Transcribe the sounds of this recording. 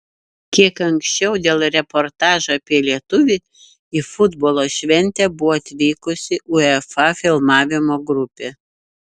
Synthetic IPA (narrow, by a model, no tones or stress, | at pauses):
kʲiɛkɐŋksʲt͡ʃʲɛʊd̪ʲeːlˠɾʲɛpoɾt̪ɑːʒoɐpʲiɛlʲiɛt̪ʊʋʲɪ | ifʊd̪boːlˠoːʃʲʋʲɛnʲt̪ʲɛbʊʋɔːɐt̪ʲʋʲiːkʊsʲɪʔʊɛfɑfʲɪlˠmɑːʋʲɪmoːɡɾʊpʲeː